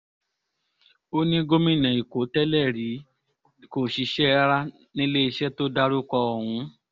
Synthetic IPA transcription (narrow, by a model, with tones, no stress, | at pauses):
o˦nĩ˦ɡo˦mĩ˦˨nã˨i˨ko˨˦tɛ˦lɛ˦˨ɾi˨˦ | ko˨ʃi˨˧˦ʃɛ˦ɾa˦ | nĩ˦le˦i˧ʃɛ˦to˦da˦ɾu˦kɔ˧ɔ˨hũ˨˦